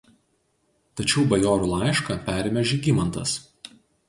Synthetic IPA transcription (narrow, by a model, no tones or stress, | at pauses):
t̪ɐt͡ʃʲɛʊbɐjoːɾulˠɑˑɪʃkɐpʲæːˑɾʲmʲɛʒʲiːˑɡʲimɐnt̪ɐs